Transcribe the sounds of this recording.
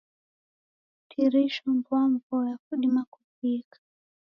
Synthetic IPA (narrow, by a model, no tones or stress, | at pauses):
tʰiɾiʃɔmbwaɱvɔjakuɗimakupikʰḁ